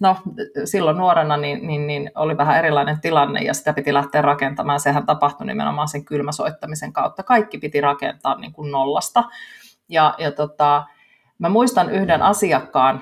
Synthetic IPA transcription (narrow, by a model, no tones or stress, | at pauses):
nosilːonnuoɾenɑninninninoliʋæhæeɾilːˑɑinent̪ilɑnːḛjɑ̰si̥t̪æpit̪ilæht̪eːrɑkent̪ɑmɑːnseɦænt̪ɑpɑht̪unḭmḛno̰mɑːnseŋkylmæso̰it̪ːɑmiseŋkɑut̪ːɑkɑikːipit̪irɑkḛnt̪ɑːnnḭŋkunnolːɑst̪ɑ | jɑjɑt̪ot̪ɑ | mæmuist̪ɑnyhdenʔɑsiɑkːɑːn